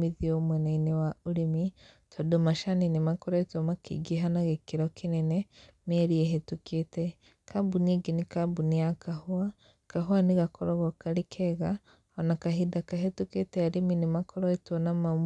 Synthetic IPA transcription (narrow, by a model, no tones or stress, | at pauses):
miðiomwenainewauɾimitʰodomaʃaninimakoɾoetwomakʰḭɡiɦanaɣekiɾokinene | meɾieɦetukete | kabuniɡinikabuniakahua | kaɦuaniɣakʰoɾoɣokaɾikʰeɣa | onakaɦidakaɦetuketeaɾiminimakʰoɾoetwonama